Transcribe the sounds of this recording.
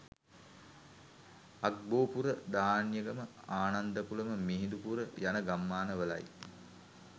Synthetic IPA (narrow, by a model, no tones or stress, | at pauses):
ak̚boːpuɾəd̪aːnjəɡəmə | aːnand̪əpuləməmiɦind̪upuɾəjanəɡamːaːnəʋəla̰j